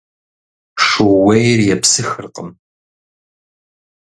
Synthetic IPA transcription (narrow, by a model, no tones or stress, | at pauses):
ʂɨwejrjɛpsɨxɨrqə̰m